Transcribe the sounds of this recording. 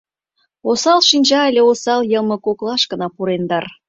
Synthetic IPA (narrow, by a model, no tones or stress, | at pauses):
osɑlʃinʲd͡ʑɑelʲeosɑljəmɤ̆koklɑʃkə̆nɑpuɾend̪ɑr